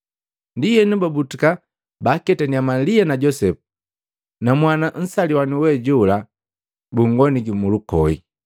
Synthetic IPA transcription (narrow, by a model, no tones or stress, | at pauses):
ndijɛnubabutuka | bakɛtaniamalianaɟɔsɛpu̥ | namwanan̩saliwaniwɛɟula | buŋɡɔniɡimulukɔi